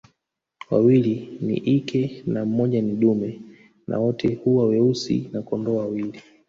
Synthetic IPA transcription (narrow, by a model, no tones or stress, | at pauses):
wa̰wilinḭʔikʰɛnam̩mɔʄaniɗumɛ | nʔa̰wɔtʰɛhuwawɛusḭnakɔndɔwawili